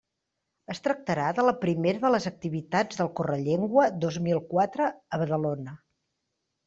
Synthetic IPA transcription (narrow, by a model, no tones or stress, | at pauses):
əst̪ɾək̚t̪əɾaðələpɾimeɾəðələzək̚t̪iβit̪ad͡zðəlˠkorəʎeŋɡwəd̪ozmilˠkwat̪ɾəːβəðəlonə